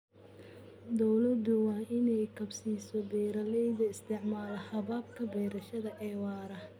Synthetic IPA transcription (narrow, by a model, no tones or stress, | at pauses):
d̪ɔwlɐd̪ʊwɑːʔɪnɛjkʰɐbsiːsɔb̪ɛjɾɐlɛjðɐɪst̪ʰɛʕmaːlɐhɐβaːbkʰɐbɛːɾɐʃɐðɐʕɛːwɑːɾɐ